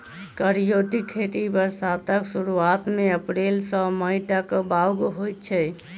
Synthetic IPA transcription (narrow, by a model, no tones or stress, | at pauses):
kəɾijot̪ikʰeʈibəɾsat̪əksuɾuat̪meəpɾelsə̃məiʈakbawɡɦojt̪t͡ʃʰɛ